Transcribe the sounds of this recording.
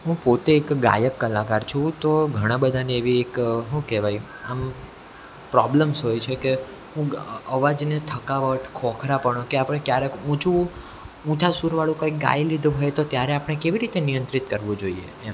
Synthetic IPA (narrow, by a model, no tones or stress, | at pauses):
ɦũpot̪eːkɡa̰jəkːəlakaɾt͡ʃʰũt̪oɡʱəɽ̃ãbəd̪ʱaneeʋiekɦũkeʋaj | am | pɾɔbləmsɦojt͡ʃʰeke | ɦũəʋad͡ʒnet̪ʰəkaʋəʈʰkʰɔkʰɾapəɳokeapɽ̃ekjaɾekũt͡ʃũ | ũt͡ʃasuɾʋaɭũkãjk̚ɡa̰jlid̪ʱuɦojt̪ot̪jaɾeapɽ̃ekeʋiɾit̪enijənt̪ɾit̪kəɾʋũd͡ʒoiḛ